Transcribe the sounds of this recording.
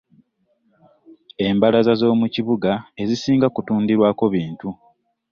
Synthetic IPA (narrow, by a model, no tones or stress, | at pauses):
e̞mbalazazo̞ːmuciβuɡae̞zisiːŋɡakutuːndiɾwaːko̞βiːntu